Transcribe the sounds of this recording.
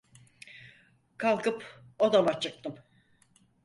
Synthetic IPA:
kʰalˠkɯpod̪amat͡ʃʰɯk̚t̪ɯm

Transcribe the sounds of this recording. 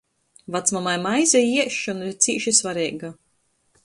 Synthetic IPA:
vat̪smamajmajzʲɛjiɛʃɔnit̪siːʃisvaɾɛːɡa

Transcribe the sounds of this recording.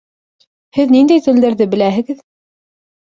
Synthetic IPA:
hɘðnind̪æjt̪ɘ̆ld̪ɘ̆ɾðɘbɘ̆læɦɘ̆ɡɘð

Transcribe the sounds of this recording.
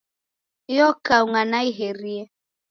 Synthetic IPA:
jɔkauŋanaiɦeɾiɛ

